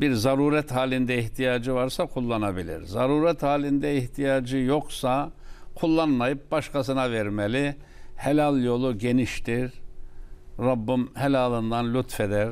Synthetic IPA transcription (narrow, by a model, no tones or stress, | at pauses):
biɾzaɾuːɾɛt̪ɦaːlʲind̪ɛiçt̪ʰijaːd͡ʒɯvaɾsakʰulˠːanabilʲḭɾzaɾuːɾɛt̪haːlʲind̪ɛiht̪ʰijaːd͡ʒɯjo̞ksakʰulˠːanmajɯp̚baʃkʰasɯnavɛɾmelʲi | helʲalʲˠjo̞lˠuɟe̞niʃt̪ʰiɾ | ɾabːɯmhelʲaːlˠɯnd̪anlʲut̪fed̪æɾ